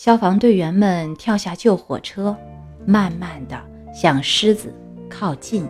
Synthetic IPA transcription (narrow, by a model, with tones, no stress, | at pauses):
ɕjɑ˥ʊfɑ˧˥ŋt̪we˥˩ɪɥɛ˧˥nmə˨nt̪ʰjɑ˥˧ʊɕja˥˧t͡ɕjo˥˩ʊxwɔ̰˨˩ʈ͡ʂʰɤ˥ | ma˥˧nma˥˩nd̪ə˩ | ɕjɑ˥˩ŋʂɻ̩˥d͡zɹ̩˨˩ | kʰɑ˥˧ʊt͡ɕi˥˩n